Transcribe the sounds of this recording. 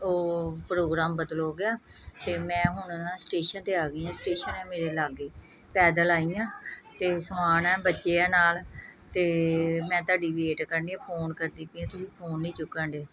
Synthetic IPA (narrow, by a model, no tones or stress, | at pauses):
oːpɾoːɡɾaːmbəd̪loːɡɪaːt̪eːmɛ̃ːɦʊnãːsʈeːʃənt̪eːaːɡɪːãːsʈeːʃənɛːmeːɾeːlaːɡeː | pɛːd̪əlaːiːjãːt̪eːsəmaːnɛ̃ːbətːʃeːaːnaːlt̪eːmɛ̃ːt̪ʊaːɖiːʋeːʈkəɾniãːpʰoːnkəɾd̪iːpiãːt̪ʊsĩːpʰoːnːĩːt͡ʃʊkːəɳɖeː